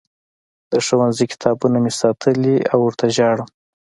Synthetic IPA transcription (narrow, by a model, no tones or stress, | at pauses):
d̪̥əʂawanzikɪ̥t̪ʰɑbunamesɑt̪ʰəliawʊɾt̪ʰaʒɑɽə